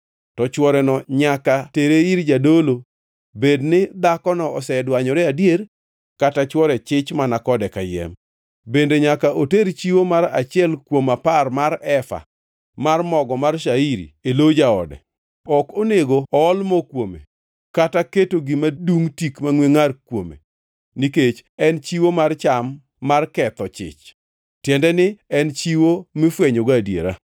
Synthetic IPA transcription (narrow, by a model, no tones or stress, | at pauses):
tɔt͡ʃwɔɾɛnɔɲakateɾeiɾd͡ʒadolo | bednɪd̪akɔnɔɔsɛdwaɲɔɾɛadjeɾ | katat͡ʃwɔɾɛt͡ʃɪt͡ʃmanakɔdɛkajɛ̰m | bendeɲakaʔoteɾt͡ʃiwomaɾa̰t͡ʃɪɛlkwomaparmaɾɛfa̰ | marmɔɡɔmarʃaiɾḭelod͡ʒaɔdɛ̰ | ɔkoneɡoɔːlmɔkwomḛ | kataketoɡɪmaduŋtikmaŋweŋarkwomḛ | niket͡ʃɛnt͡ʃiwomart͡ʃamː | arkɛt̪ɔt͡ʃɪ̰t͡ʃ | tjɛndɛnɪɛnt͡ʃiwomɪfweɲoɡadjḛɾa